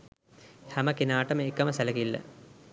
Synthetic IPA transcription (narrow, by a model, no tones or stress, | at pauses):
hæmɐkenaːʈɐmekːɐmɐsælɐɡilːɐ̰